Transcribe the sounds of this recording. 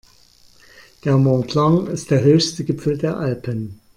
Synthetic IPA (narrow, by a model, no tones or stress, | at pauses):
d̥eːɐmɔ̃tʰlaŋɪstd̥eːɐɦøːçstəɡɪpp͡fl̩deːɐʔalpən